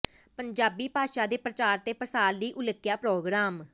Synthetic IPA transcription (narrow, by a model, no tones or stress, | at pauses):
pəɲd͡ʒaːbiːpaːʃaːd̪eːpɾət͡ʃaːɾt̪eːpɾəsaːld̪iːʔʊləkːɪjaːpɾoːɡɾaːm